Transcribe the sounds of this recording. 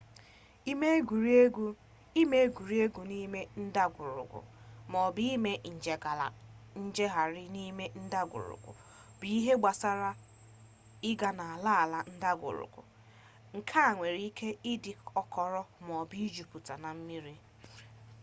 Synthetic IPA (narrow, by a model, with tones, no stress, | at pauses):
i˦me˦ɡu˨ɾɡ | i˦me˦ɡu˨ɾi˦e˦ɡu˨ni˦me˦n̩˦da˦ɡʊ˨ɾʊ̰˨ɡʊ̰˨mɔ˨bi˦me˦n̩˨d͡ʒe˨ɡa˨la̰˨ | n̩˦d͡ʒe˦ɦa˨ɾɪ˦ni˦me˦n̩˦da˦ɡʷʊ̰˨ɾʊ̰˨kʷʊ̰˨ | bi˨i˦ɦe˦ɡ͡ba˨sa˦ɾa˦ | ɪ˦ɡa˦na˨a˨la˦a˨la˦n̩˦da˦ɡʷʊ̰˨ɾʊ̰˨kʊ̰˨ | ŋ̩˨kʰa˦a˨ŋʷe˨ɾi˦kʰe˦i˦di˨ɔ˦kɔ˨ɾɔ˦m˨ɔ˨bi˦d͡ʒu˨pu˨ta˨na˨m̩˦mi˦ɾi˦